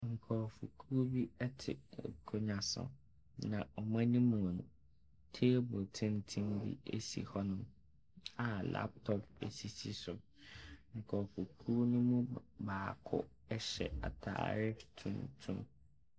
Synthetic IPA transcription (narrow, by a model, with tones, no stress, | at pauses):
ŋ̩˨kʰɔː˨fṵ˨kʰu˦o˦bi˦ɛ˦tʰɪ̰˨kʰo˦ɲã˨sʊ̰̃˨ | nã˨ɔ˨mã˦nĩ˦mũ˨nʊ̃˨ | tʰe˦bo˨tʰɪ̃˦n˦tʰĩ˦mbḭ˦e˦sḭ˨hɔ˦nʊ̃˦m | a˨la̰˦p̚tʰɔ˦pḛ˨si˨si˦sʊ˨ | ŋ̩˨kʰɔ˨fu˨kʰu˦o˦nũ˦mũ˦baː˨kʰʊ̰˦ | ɛ˦ɕɛ̰˨a̰˨tʰa̰ː˨ɾɪ˦tʰṵ̃˨ntʰṵ̃˦m